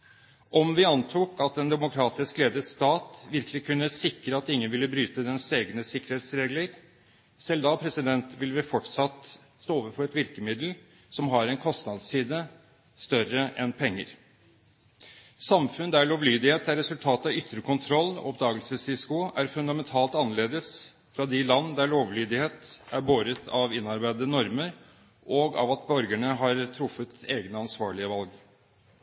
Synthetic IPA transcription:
ʔɔmʋɪɑnt̪ʰuːkɑt̪̚ɛnd̪ɛmʊkʰɾɑːt̪ɪskleːd̪ət̪st̪ɑːt̪ʋɪɾkʰlɪkʉnːəsɪkɾəɑt̪ɪŋːənʋɪlːəbɾyːt̪əd̪ɛnseːɡnəsɪkːəɾheːt̪sɾeːɡləɾ | sɛld̪ɑpʰɾɛsɪd̪ɛnt̪ʋɪlːəʋɪfɔʈsɑt̪ | st̪oːoːʋəɾfɔɾɛt̪ʋɪɾkəmɪd̪l̩ | sɔmɦɑɾɛnkʰɔst̪nɑd̪ssiːd̪ə | st̪œɾəʔɛnpʰɛŋːə̰ɾ | sɑmfʉnd̪æɭoːʋlyːd̪ɪheːt̪æɾɛsʉlt̪ʰɑːt̪ɑʏt̪ːɾəkʰʊnt̪ʰɾɔlːɔ̰ɔp̚d̪ɑːɡəlsəsɪskʊæɾfʉnd̪ɑmɛnt̪ʰɑːlt̪ɑnːəɭeːd̪əs | fɾɑd̪ɪlɑnːd̪æɭoːʋlyːd̪ɪheːt̪æɾboːɾət̪ʰɑʋɪnːɑɾbæɪd̪ənɔɾməɾ | ʔɔɡɑ̰ʋɑt̪̚bœɾɡæɳəɦɑɾt̪ʰɾʊfːət̪eːɡnəɑnsʋɑːɭɪəʋɑlɡ

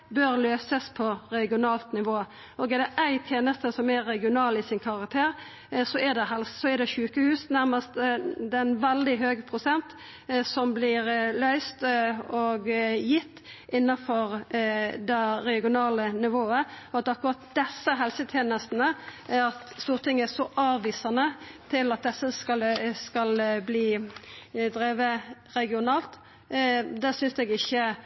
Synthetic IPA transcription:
bøːɾløːsəspʰɔɾɛɡɪʊnɑːlt̪nɪʋoː | oːɡɛd̪ɛʔæɪt̪ʰjeːnəst̪əsɔmæɾɛɡɪʊnɑːlɪsɪnkʰɑʁɑkt̪ʰeːʁ | sɔɛd̪ɛɦɛlssɔɛd̪ɛçʉːkəhʉːsnæʁməst̪d̪ɛnʋɛld̪ɪɦøːɡpʰʁʊsɛnt̪ | sɔmblɪɾlœʏst̪ɔɡjɪt̪ː | ʔɪnːɑfɔɾd̪ɛɾɛɡɪʊnɑːlənɪʋoːəɔɑt̪ɑkʊʁɑt̪̚d̪ɛsːəɦɛlsət̪ʰjeːnəst̪nəɑt̪st̪uːʁt̪ʰɪŋːəæsɔʔɑːʋːiːsɑnət̪ʰɪlɑt̪̚d̪ɛsːəskɑskɑlbliː | d̪ɾeːʋəɾɛɡɪʊnɑːlt̪ | d̪ɛsʏnsɛɡɪçːə

